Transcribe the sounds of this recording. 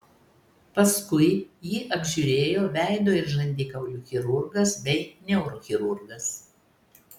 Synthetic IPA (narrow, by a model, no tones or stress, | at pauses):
pɐskʊɪjiːʔɐbʲʒʲʊɾʲeːjoːʋʲæˑɪd̪oːɪɾʒɐnʲd̪ʲiːkɐʊlʲuːxʲɪɾʊɾɡɐsbʲɛɪnʲɛʊɾoxʲɪɾʊɾɡɐs